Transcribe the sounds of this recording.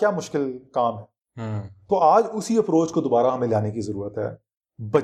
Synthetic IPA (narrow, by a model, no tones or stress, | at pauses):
kjaːmʊʃkɪlkaːmɦɛː | t̪oːʔaːd͡ʒʊsiɐfɾoːt͡ʃkod̪obaːɾaɦɐmẽlɪaːnekizɐɾuːɾət̪ɦɛ̰ː | bɐ